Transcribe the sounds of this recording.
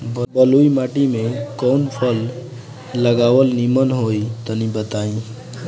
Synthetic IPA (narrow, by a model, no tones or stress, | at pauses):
bbəluimaʈimekɔnpʰəlː | əɡawəlnimənɦojt̪ənibət̪aĩ